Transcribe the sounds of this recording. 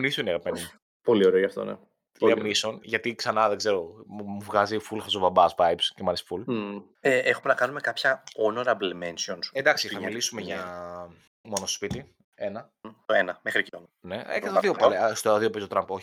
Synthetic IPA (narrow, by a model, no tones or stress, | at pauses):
mnisoneɣɐpmeni | po̞lioɾeoʝɐft̪o̰nḛ | tilimnisonʝɐt̪iksɐnɐðeɡze̞ɾomuvɣɐzifulxɐzovɐbɐspɐjpscemɐnisful | eʔexumenɐkɐnumekɐpçɐonoɾɐblimensionsed̪ɐksiixɐmmilisumeʝɐ | mo̞noso̥spit̪i | e̞nɐ | t̪oenɐmexɾicon | ne̞ḛt̪t̪ðiopɐlest̪oðiopistot̪ɾɐmpoçi̥